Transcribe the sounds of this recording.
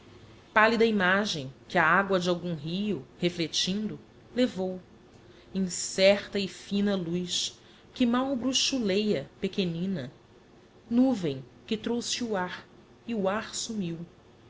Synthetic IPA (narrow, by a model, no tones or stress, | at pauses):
palid̪ɐimaʒẽj̃kʲɪɐaɡwɐd͡ʒɪawɡũɦijʊheflet͡ʃĩnd̪ʊ | levow | ĩŋsɛɾt̪ɐɪfĩnɐlujʃ | kɪmawbɾuʃulejɐpekenĩnɐ | nuvẽj̃kɪt̪ɾowsɪuaɾ | ɪuaɾsumiw